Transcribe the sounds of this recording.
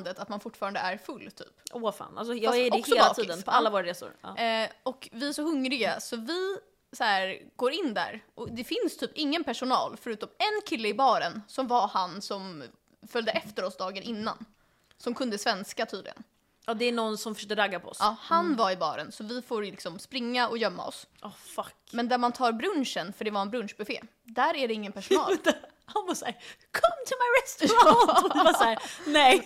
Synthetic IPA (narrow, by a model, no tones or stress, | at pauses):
nd̪ət̪at̪manfʊʈːfɑːɾand̪əæɾfɵlːt̪ʰy̰ːpʔofa̰ːna̰ls̬ɔjɛɔksɔːlb̪ad̪npʰɔalːavoːɾaɾeːsʊ̰ɾ̰ːɔkvɪæʂɔɦɵŋɾɪɡasɔvɪ | sɔæːɾɡ̥oːɾɪnːd̪æ̰ɾʔɔd̪ɛfɪnst̪ʰyːpɪŋːənpʰæʂʊnɑ̰ːlfœɾʉːt̪ɔmɛnkʰɪlːəɪbɑːɾənsɔmvahansɔm | fœld̪əʔɛft̪əɾɔsd̪ɑːɡənɪnːa̰n | sɔmkʰɵnd̪əsvɛnskat̪ʰyːd̪lɪ̰ɡə̰n | ʔɑːd̪ɛːɳɔnsɔmfœʂœk̚t̪əɾaɡːapʰɔɔ̰sʔɑːhanvaɾɪbɑ̰ːɾə̰nsɔvɪfoːɾlɪksɔmspɾɪŋːaɔjœmːa̰ɔ̰sʔɔfakmɛnd̪æɾmant̪ʰɑːɾbɾɵnʂənfœɖɛvaɾɛnbɾɵnʂbɛfḛː | d̪æɾæɖɛɪŋːənpʰæʂʊnɑːl | hanvasaːɾkʰɔmt̪ʰʊmajɾɛst̪ɔvasænɛj